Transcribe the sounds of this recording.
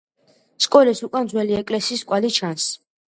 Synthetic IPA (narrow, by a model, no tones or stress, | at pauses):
skʼɔlisukʼand̪zwɛliɛkʼlɛsiːskʼwalit͡ʃʰans